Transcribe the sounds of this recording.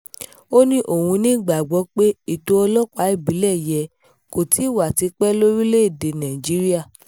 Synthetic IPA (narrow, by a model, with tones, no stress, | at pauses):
o˦nĩ˦ʔo˦˨hũ˧nĩ˦˨ɡ͡ba˨ɡ͡bɔ˨˧˦k͡pe˦i˨to˧˦ɔ˧lɔ˦ka˨˦i˦˨bi˨˦lɛ˦˨jɛ˧ | ko˨ti˨˦i˦˨wa˨ti˨˧˦k͡pɛ˦lo˦ɾi˦le˦i˦˨de˧nã˨d͡ʒi˨˦ɾi˦a˦˨